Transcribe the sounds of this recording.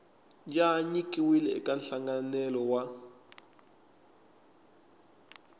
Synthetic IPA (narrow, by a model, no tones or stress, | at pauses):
d͡ʒaɲikʼiwilɛɛ̰kʼanɬaŋɡanɛlɔwa